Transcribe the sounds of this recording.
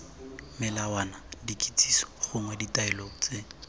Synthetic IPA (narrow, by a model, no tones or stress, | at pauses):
mɪlawanadikʼit͡sʼi̥sɔ̥χʊŋwɛditʼailot͡sʼe